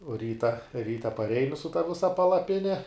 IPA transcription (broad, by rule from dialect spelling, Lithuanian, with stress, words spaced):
uɔ ˈrʲiːtɐ ˈrʲiːtɐ pɐˈrʲɛɪnʲɪ sʊ tɐ ˈʋʲɪsɐ pɐlˠɐˈpʲɪnʲɛ